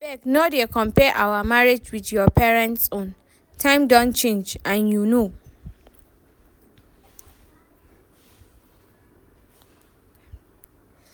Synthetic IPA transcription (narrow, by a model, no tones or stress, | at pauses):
bɛknodekʰɔ̃mpʰɛʔawamaɹed͡ʒwidjɔpʰɛɹɛ̃ntsõn | tʰãɪ̃mdɔ̃nt͡ʃẽnd͡ʒãnjuno